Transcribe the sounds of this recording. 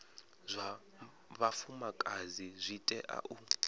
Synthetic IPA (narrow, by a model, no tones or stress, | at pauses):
zʷa | βafumakʼazizʷitʼɛʔa̰ʔu